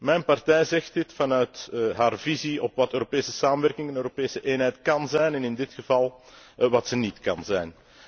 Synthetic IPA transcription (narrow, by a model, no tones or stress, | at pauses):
mɛjnpɑrtɛjzɛxtdɪtfɑnœɥtɦaːrviziɔpwɑtøːɾopeːsəsaːmənʋɛrkɪŋɛnøːɾopeːsəʔeːnɦɛjtkɑnzɛjnɛnɪndɪtxəvɑlˠ | ʋɑtsənitkɑnzɛjn